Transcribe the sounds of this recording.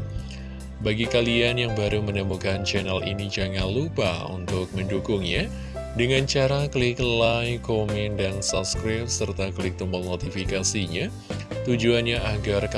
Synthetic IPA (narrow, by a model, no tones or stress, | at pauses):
baɡikalianjaŋbaɾumənəmukant͡ʃɛnalʔḭnid͡ʒaŋanlupa̰ṵnt̪ʊk̚məndukʊŋɲa | dəŋant͡ʃaɾaklɪklajkomɛndansɔp̚skɾap̚sərt̪aklɪk̚t̪umɔlnot̪ifikasiɲa | t̪ud͡ʒuanɲaʔaɡark